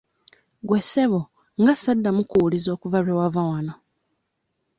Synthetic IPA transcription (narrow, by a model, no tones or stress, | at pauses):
ɡwese̞βo | ŋɡasadːamukuulizo̞ːkuvalawavawano